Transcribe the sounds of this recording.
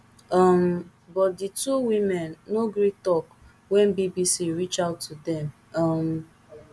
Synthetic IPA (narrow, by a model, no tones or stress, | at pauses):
am | bɔt̚dituwimɛnːoɡɾitɔk | wɛ̃nbibisiɹit͡ʃaʊtːudɛ̃m | am